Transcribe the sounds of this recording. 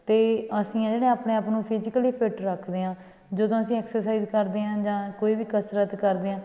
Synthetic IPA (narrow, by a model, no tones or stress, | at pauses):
t̪eːəsĩːãːd͡ʒeːɽẽːaːpɳeːaːpnũːpʰɪzɪkəliːpʰɪʈɾəkʰd̪eːɦãː | d͡ʒəd̪õːəsĩːɛːksəɾsaiːzkəɾd̪eːɦãːd͡ʒãːkoːiːʋiːkəsɾət̪kəɾd̪eːãː